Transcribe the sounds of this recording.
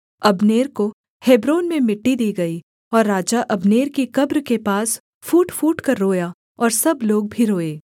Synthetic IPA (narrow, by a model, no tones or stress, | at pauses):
ɐbneːɾko | heːbɾoːnmẽmɪʈːid̪iːɡɐi | ɔːɾːaːd͡ʒaʔɐbneːɾkikɐbɾkepaːs | fuːʈfuːʈkɐɾːoːja | ɔːɾsɐbloːɡ̚bʱiɾoːeː